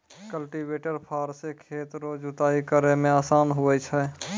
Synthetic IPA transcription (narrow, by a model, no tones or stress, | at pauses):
kəlʈibeːʈəɾpʰaːɾsekʰeːt̪ɾod͡ʒʊt̪aːikəɾemẽaːsaːnɦuɛt͡ʃʰɛ